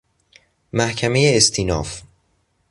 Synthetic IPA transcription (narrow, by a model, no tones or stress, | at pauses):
mæhcʰæme̞jeːst̪ʰiːnɒ̰ːf